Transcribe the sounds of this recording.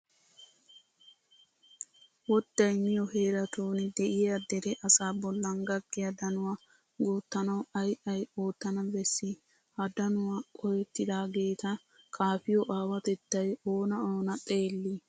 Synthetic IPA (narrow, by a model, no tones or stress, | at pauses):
wɔd̪ːɐjmɪjɔheːɾɐt̪uːnd̪ɛʔɪɐd̪ɛd̪ɛʔɐsaːbɔlːɐŋɡɐɡːɪjɐd̪ɐnʊwɐ | ɡuːt̪ːɐnɐwɐjʔɐjoːt̪ːɐnɐbɛsːɪ | hɐd̪ɐnʊwɐkʼɔjɛt̪ːɪd̪aːɡe̞ːt̪ɐ | kʰaːfɪjɔʔaːwɐt̪ɛt̪ːɐjoːnɐoːnɐt̪ʼe̞ːlːi